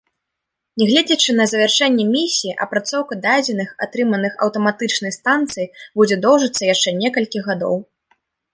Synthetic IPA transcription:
nʲɛɣlʲed͡zʲɐt͡ʂɨnɐzɐvʲɛrʂɛnʲːɛmʲisʲijːʔɐ̰pɾat̪sɔwkɐd̪ad͡zʲɛnɨxa̰t̪ɾɨmɐnɨxɐ̰wt̪ɐmat̪ɨt͡ʂnɐjst̪ant̪sɨjibud͡zʲɛd̪ɔwʐɐt̪sːɐjaʂt͡ʂɛnʲɛkɐlʲkʲiɣad̪ɔ̰w

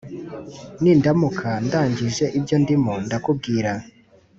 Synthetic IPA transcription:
nindamukʰandaːɲɟiʒe̞ʔibɟondimondakub̚ɡiːɾa

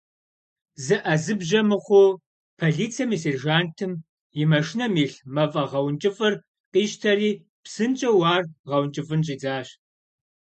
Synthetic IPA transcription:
zɨʔɐzɨbʑɐmɨχʷʊ | pʰoɮiːt͡sʰiɐmiserʒaːntʰɨm | jɪmɐʂnɐmiːɬmɐfʼɐʁɐwnt͡ʃʼɪfʼɨr | qiːʃtʰɐɾiː | psɨnt͡ʃʼɐwɑːrʁɐwnt͡ʃʼɨfʼɨnɕʼiːd͡zaːɕ

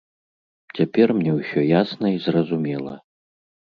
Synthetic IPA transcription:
t͡sʲapʲɛrmnʲɛwsʲɔjasnɐizrɐzumʲɛlˠɐ̰

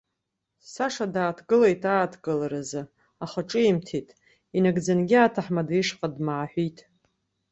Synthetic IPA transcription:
saʂadaːtʰɡɨlejtʰaːtʰɡɨlaɾazɨ | aχaʈ͡ʂʼɨimtʰitʼ | inaɡd͡zanɡʲɪaːtʰaħmadiʂqʼadmaːħʷitʼ

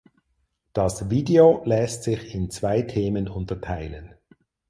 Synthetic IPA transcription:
d̥ɑsviːdeolɛstsɪçɪnt͡sv̥aɪtʰeːmənʊntɐtʰaɪlən

